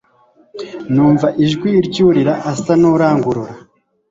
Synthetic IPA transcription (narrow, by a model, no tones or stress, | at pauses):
nuːɱvaʔiʒɡwiɾɟuːɾiɾaʔasanuɾaːŋɡuɾuɾa